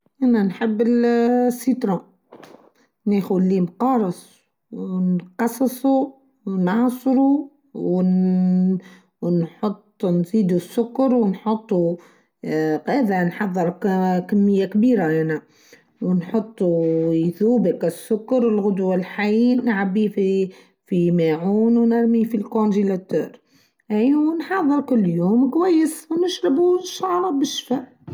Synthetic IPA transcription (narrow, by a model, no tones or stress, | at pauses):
ʔænænħəbːɪlsːit̪ˤɾˤɑ | neːxʊlːimqɑːɾˤɑsˤ | wnqɑsˤsˤu | wnʕɑsˤɾu | w | nħot̪ˤːnziːd̪usːʊkːɑɾwnħot̪ˤːu | ɣæːðanħɑðˤːɨɾkamːɪjːakbiːɾaʔænæ | wnħot̪ˤːujθuːbɪkæsːʊkːɑɾɪlɣʊd̪walħajnʕabːif | fimaʕuːnwnɪɾmifilkonʒilæt̪øːɾ | ʔiwnħɑðˤːəɾkʊlːjuːmkwæjːəswnɪʃɾɪbuʃːɑʕɾˤɑbɪʃːfaʕ